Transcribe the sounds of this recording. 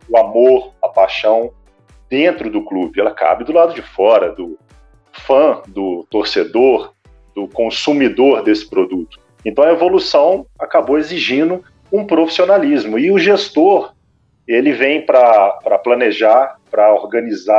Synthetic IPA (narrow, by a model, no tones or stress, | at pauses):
ʊamoɾɐpaʃɐ̃w̃ | d̪̥ẽnt̪ɾʊd̪ʊklubɪɛlɐka̰bɪd̪ʊlad̪ʊd͡ʒɪfɔɾɐd̪ʊ | fɐ̃d̪ʊt̪oɾsed̪oɾ | d̪ʊkõsumid̪oɾd̪esɪ̥pɾod̪ut̪ʊ̥ | ẽnt̪ɐ̃w̃ɐevolusɐ̃w̃akaboweziʒĩd̪ʊ | ũpɾofi̥sionalizmʊɪʊʒest̪oɾ | elɪvẽj̃pɾɐpɾɐplɐ̃neʒaɾpɾɐoɾɡɐ̃niza